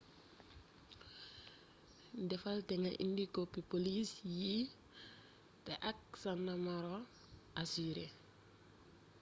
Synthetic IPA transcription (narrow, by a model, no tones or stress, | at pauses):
dɛfaltɛŋaʔḭndikopipolisji | tɛʔak̚sanːamɔɾo | ʔasiɾe